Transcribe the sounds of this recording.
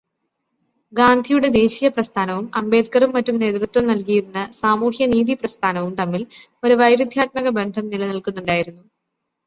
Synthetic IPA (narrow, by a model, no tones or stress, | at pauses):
ɡaːnd̪ʱijuɽe̞d̪e̞ːɕijɐprɐst̪ʰaːnɐʋumɐmbe̞ːt̪̚kɐrumːɐtːumne̞ːt̪rɨt̪ɾɐmnɐlkijiɾunːɐsaːmuːhjɐniːðiprɐst̪ʰaːnɐʋumt̪ɐmːilo̞ɾuʋɐjɾud̪ʱjaːt̪̚mɐɣɐbe̞nd̪ʱɐmnilɐnilkunːuɳɖaːjiɾunːu